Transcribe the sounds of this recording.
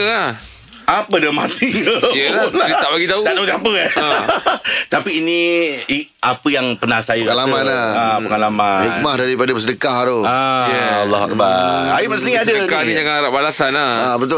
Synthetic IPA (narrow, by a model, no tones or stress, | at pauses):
a | apədəma̰sɪŋ | laiaʔlaɡit̪aut̪aʔt̪ausapə | t̪apiːnii | apəjaŋpərnahsajəalamanaapəŋalamahik̚mahdaɾipadəpəs̬ədəkaɦaɾoajalːɔɦa̰k̚baaimasəniŋadaəkanijaŋaɾaʔbalasanaabət̪ʊ